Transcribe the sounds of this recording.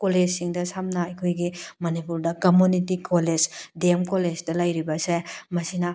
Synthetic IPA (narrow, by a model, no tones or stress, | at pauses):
koled͡ʒsiŋdɐsamnɐɐjkʰojɡimɐnipuɾdɐkɐmunitikʰoled͡ʒdemkoled͡ʒdɐlɐjɾibɐsemɐsinɐ